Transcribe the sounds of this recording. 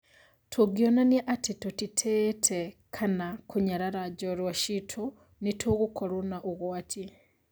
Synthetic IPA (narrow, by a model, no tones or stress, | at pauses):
tʰuɡjonanjeʔatitutitʰetʰekʰanakuɲaɾaɾaɟolwaʃitʰu | nitʰuɣukʰolunaʔoɣwatʰi